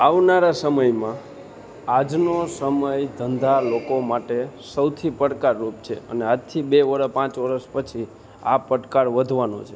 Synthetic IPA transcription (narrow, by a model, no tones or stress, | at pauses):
aʋnaɾasəməjmã | ad͡ʒnosəməjd̪ʱənd̪ʱalokomaʈesəwt̪ʰipəɽkaɾːup̚t͡ʃʰḛə̰nead͡ʒt̪ʰibeʋəɾpãt͡ʃʋəɾəspət͡ʃʰi | apəɽkaɾʋəd̪ʱʋano̰t͡ʃʰe